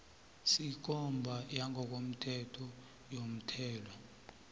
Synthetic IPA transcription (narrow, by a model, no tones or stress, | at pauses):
sik̬ɔmbʱajaŋʱɔk̬om̩tʰɛtʰɔ | jom̩tʰɛːlɔ